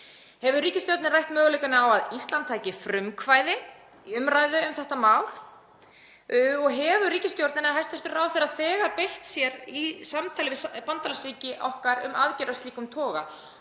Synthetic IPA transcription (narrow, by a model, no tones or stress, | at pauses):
hɛvʏriːcɪst̪joɾt̪nɪrajht̪mœːɣʏlejkanɪawaðist̪lant̪ʰːajcɪfɾʏmkʰvaːjðɪ | ʏmɾaːjðʏʏmθɛht̪amaːwl̥ | ɔɣɦɛvʏriːcɪst̪jowɾt̪nɪnaðɦajst̪ɛft̪ɪɾɾaːwθɛɾaðθɛːɣaɾpejht̪sjɛɾisamt̪ʰaːlɪvɪspant̪alasɾiːcɪʔɔhkaɾʏ̰maðcɛɾast̪liːkʏmt̪ʰɔːɣa̰